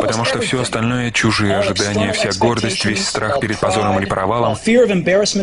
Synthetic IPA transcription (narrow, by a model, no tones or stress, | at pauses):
pət̪ɐmuʂt̪ofsʲoɐst̪ɐlʲnojət͡ɕʊʐɨjəɐʐɨd̪anʲɪjəfsʲaɡo̞rd̪əsʲtʲvʲesʲst̪ɾaxpʲɪɾʲɪd̪̚pɐzo̞ɾəmɨlʲɪpɾʔɐvalˠəmfiɹʌvɛ̃mbɛɹɨsmə̃